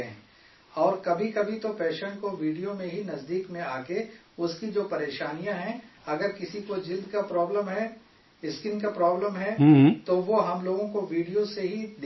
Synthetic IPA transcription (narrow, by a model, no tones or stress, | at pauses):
ẽ | ɔːɾkɐbʱikɐbʱit̪opɛːʃəɳ̃koʋiːɖijomẽɦinɐzd̪iːkmẽaːke | ʊskid͡ʒoːpɐɾeːʃaːnijãɦɛ̃ɐɡəɾkɪsikod͡ʒɪld̪kapɾɔːbləmɦɛ | ɪskɪnkapɾɔːbləmɦɛt̪oʋoɦɐmloːɡõkoʋiːɖijoseɦid̪